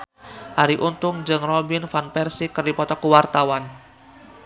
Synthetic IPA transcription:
haɾiʔunt̪ʊŋd͡ʒɨŋrɔbinfanpɛrsikərdipɔt̪ɔkuwart̪awan

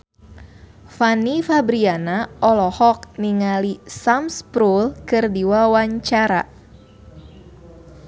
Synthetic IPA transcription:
fanifabɾianaɔlɔhɔk̚niŋalisamspɾulkɨrdiwawaɲt͡ʃaɾa

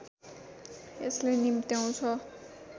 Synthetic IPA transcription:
eslenimt̪jaw̃t͡sʰʌ

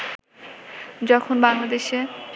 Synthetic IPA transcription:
d͡ʑɔkʰonbaŋlad̪eʃe

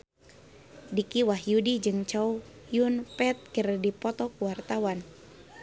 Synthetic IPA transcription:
dikiwahjudid͡ʒɨŋt͡ʃau | junpɛt̪̚kərdipɔt̪ɔkuwart̪awan

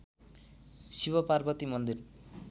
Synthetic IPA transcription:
sibʌparbʌt̪imʌnd̪ir

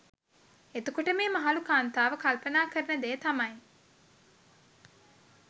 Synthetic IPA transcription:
et̪ukoʈəmeːmaɦalukaːnt̪aːʋəkalpənaːkəɾənəd̪eːt̪amɐj

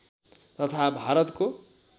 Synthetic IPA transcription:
t̪ʌt̪ʰabʱaɾʌt̪ko

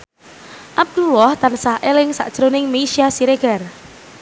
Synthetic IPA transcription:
ʔab̚d̪̥ulɔht̪ansaɦʔelɪŋsa̰ʔd̥ʒ̥ɾonɪŋmeisiasiɾeɡ̥ar

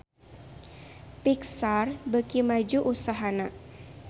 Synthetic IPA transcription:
piksarbəkimad͡ʒuʔusaɦana

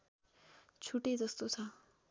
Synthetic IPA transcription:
t͡sʰuʈed͡zʌst̪ot͡sʰʌ

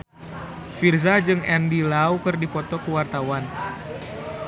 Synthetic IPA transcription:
firzad͡ʒɨŋɛndilawkɨrdipɔt̪ɔkuwart̪awan

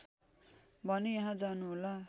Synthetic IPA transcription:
bʱʌnejaɦãd͡zanuɦola

